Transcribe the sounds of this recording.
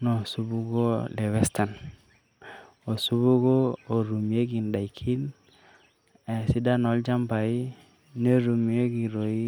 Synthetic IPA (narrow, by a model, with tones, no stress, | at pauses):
no˨su˦bu˦ɡo˦le˨wɛ˦sta˨n | o˨su˦bu˦ɡoː˦˨ɾu˨mi˨e˦ɡi˨nɗa˨i˨kʰi˦n | e˨si˦da˦nɔ˨˦ld͡ʒa˦mpa˨i˦ | ne˦ɾu˨mi˨e˦ɡi˨ɾo˨i˦